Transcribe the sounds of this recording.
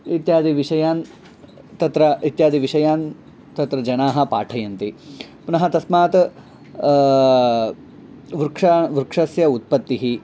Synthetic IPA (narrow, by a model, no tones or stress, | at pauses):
it̪jaːd̪iʋiʂɐjaːn | t̪ɐt̪ɾɐit̪jaːd̪iʋiʂɐjaːn | t̪ɐt̪ɾɐd͡ʒɐnaːɦɐ̆pa̰ːʈʰɐjɐnt̪ipunɐɦɐt̪ɐsmaːt̪ | ʋɾukʂɐʋɾukʂɐsjɐut̪̚pɐt̪ːiɦi